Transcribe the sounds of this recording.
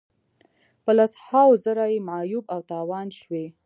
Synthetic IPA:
pəlashawzəɾajemʕajubawt̪ɑwɑnʃwe

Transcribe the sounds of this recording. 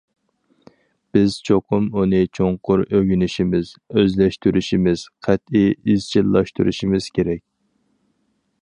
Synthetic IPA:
b̥ɪz̥t͡ʃʰoqʰʊmunɨt͡ʃʰoɴqʰʊɾøɡʲynɪʃimɪz̥øzlɛʃt̪yɾyʃimɪz̥qʰæt̪iizt͡ʃʰilːˠɑʃt̪uɾṵʃimɪz̥kʲʰeɾɛkʲ

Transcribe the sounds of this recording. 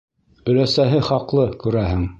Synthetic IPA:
bɵ̆læsæɦɘχɑqlˠɤkʉɾæhɘŋ

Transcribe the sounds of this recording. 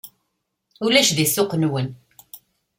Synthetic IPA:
ulæʃðiθːʊqnwən

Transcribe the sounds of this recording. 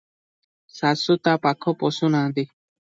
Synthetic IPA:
sasut̪apakʰoposunãd̪i

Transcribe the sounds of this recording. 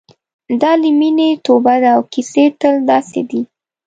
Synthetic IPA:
d̪ɑliminet̪obad̪aːwkiset̪əld̪ɑsḛd̪i

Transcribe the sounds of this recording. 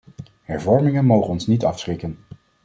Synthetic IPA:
hɛɹvɔɹmɪŋənmowχənɔnsnitɑfsχɪkən

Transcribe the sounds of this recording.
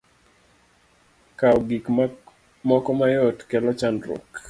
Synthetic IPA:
kaɔɡik | mɔkɔmajɔtkɛlɔt͡ʃandɾɔ̰k

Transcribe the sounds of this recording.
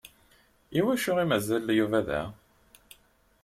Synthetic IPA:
iwæʃʊʁimæzæljuvæðæ̰

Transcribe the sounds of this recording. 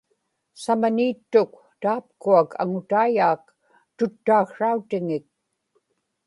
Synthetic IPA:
samaniːt̪ːʊk | t̪aːp̚kuakʰa̰ŋʊt̪ajaːk | t̪ʊt̪ːaːxʂaut̪ɪŋɪk̚

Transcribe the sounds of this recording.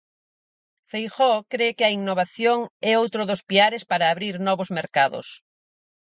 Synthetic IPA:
fejxɔkɾekɪɐiŋnoβaθjoŋɛowt̪ɾʊðospiaɾespaɾaːβɾiɾnɔβozmeɾkaðʊ̰s

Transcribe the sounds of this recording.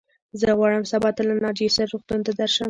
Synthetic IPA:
zəɣwɑɽəmsabɑt̪alanɑd͡ʒesaɾɾoxt̪und̪ad̪aɾʃan

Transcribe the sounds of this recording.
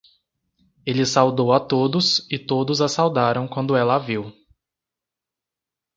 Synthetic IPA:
elɪsawd̪owat̪od̪ʊsɪt̪od̪ʊzasawd̪aɾɐ̃w̃kwɐ̃nd̪ʊɛlɐaviw

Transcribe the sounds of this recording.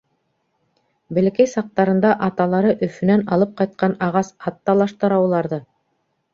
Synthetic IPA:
bɘ̆lɘ̆kæjsɑq̚t̪ɑɾɤ̆nd̪ɑʔɑt̪ɑlˠɑɾɤʔɵ̆fɵ̆nænɑlˠɤp̚qɑjt̪̚qɑnɑʁɑsɑt̪ːɑlˠɑʃt̪ɤ̆ɾɑwlˠɑɾðɤ

